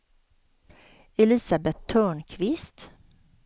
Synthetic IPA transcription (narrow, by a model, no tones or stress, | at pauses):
ɛlɪsabɛt̪ʰːœːɳkʰʋɪst̪